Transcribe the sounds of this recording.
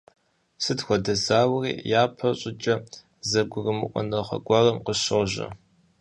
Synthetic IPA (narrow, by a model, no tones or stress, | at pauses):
sɨtxʷɔdɐzaːwrḭːjaːpʰɐɕʼɪd͡ʒʼɐ | zɐɡʷʊrɨmɨʔʷʼɔ̰nɐχɐ̰ɡʷɑrɐmqəɕɐʒɐ̰